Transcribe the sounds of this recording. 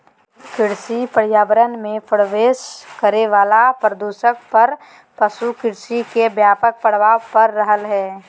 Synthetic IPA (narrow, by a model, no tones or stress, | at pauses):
kɪɽsipəɽ̤jaːʋəɾənmẽpəɽʋeːʃkəɾeʋaːlapɾəd̪uːʃək̚pɐɾ | pəʃukɪɽsikebjaːpək̚pəɽ̤ʋaːpɐɾːəɦəlɦɛː